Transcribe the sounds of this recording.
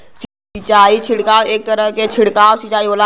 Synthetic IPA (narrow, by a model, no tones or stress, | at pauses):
s | it͡ʃaːit͡ʃʰɪɽkaːweːk̚t̪əɾə̃ket͡ʃʰɪɽkaːwsit͡ʃaːioːla